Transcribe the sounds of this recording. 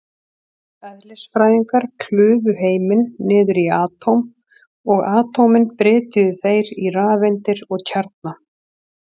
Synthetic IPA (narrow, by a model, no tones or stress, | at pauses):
œðlɪsfɾaːjiŋkaɾ̥kʰlʏːvʏɦeːjmɪnːɪːðʏɾiaːt̪ʰowm | ɔɣaːt̪owmɪnpɾɛːt̪ʏðʏθejɾiraːvɪnt̪ɪɾɔɣcʰaɾt̪̚na